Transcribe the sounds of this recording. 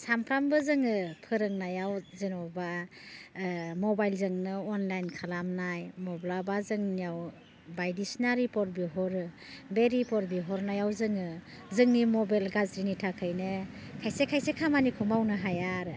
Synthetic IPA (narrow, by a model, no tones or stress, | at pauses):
sampʰɾambɯzɯŋɯpʰɯɾɯŋnajawzinɔba | mɔbajlzɯŋnɯɔnlajnkʰalamnajmɔblabazɯŋnijaw | bajdisnaɾipɔɾbiɦɔɾɯ | beɾipɔɾbiɦɔɾnajawzɯŋɯ | zɯŋnimɔbalɡazɾinitʰakʰɯjnɯ | kʰajsekʰajsekʰamanikʰɔmawnɯɦajaɾɯ